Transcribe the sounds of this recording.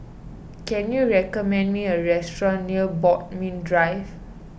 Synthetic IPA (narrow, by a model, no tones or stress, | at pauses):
kɛ̃njuɹɛkɔmɛ̃ndmiəɹɛstɹɔ̃nːiəbɔt̚mĩndɹajv